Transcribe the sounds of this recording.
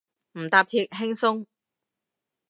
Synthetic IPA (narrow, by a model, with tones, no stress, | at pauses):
m̩˨˩t̪aː˧p̚t̪ʰiː˧t̚ɦɪ˥ŋsʊ˥ŋ